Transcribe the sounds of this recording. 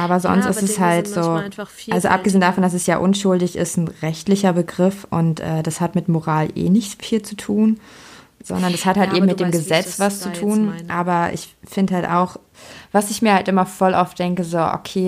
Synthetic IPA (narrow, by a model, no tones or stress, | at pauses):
ʔaːbɐzɔ̰nstʔɪstɛshaltz̥oːalzoʔap̚ɡ̥əzeːndafɔndas̬ɛsjaːʔʊnʃʊldɪçɪ̰stn̩ʁɛçtlɪçɐbəɡʁɪfʔʊ̰ntʔɛ̰ːdashatmɪtmoʁaːlʔḛːnɪçt͡sfiːlt͡sutʰuːn | z̥ɔ̰ndɐndashathaltʔeːbm̩mɪtd̥eːmɡəzɛt͡sv̥ast͡sutʰuːnʔaːbɐʔɪ̰çfɪndəhalta̰ʊx | v̥asɪçmiːɐhaltʔɪmɐfɔlʔa̰ʊfd̥ɛŋkəzoːʔo̰kʰeː